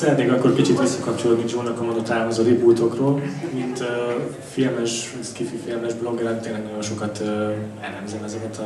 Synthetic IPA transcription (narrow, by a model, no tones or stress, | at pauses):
ɛɾd̪eːɡɒikorkit͡ʃit̪ʋisːɛkɒp̚t͡ʃoloːd̪nid͡ʒuːnːɒkɒmɒd̪ot̪aːmozod̪ibuːt̪o̞kroːlmint̪ø | filmɛʃ | skififilmɛʒblo̞ɡɛɾɛnt̪eːnlɛɡnɒɟo̞nʃo̞kɒt̪ː | ɛlɛmzɛmɛzɛkɛt̪ɒ